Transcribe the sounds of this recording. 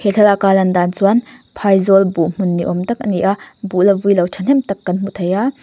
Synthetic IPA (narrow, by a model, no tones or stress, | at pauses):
heɬʰɛlakalɐndansuanpʰajzɔlbuʔm̥unːiʔɔmtɐk̚ʔɐniʔabuʔlɐvujlɐwt͡ʃʰɐnɦɛmtɐkːɐnm̥ut̪ʰɐja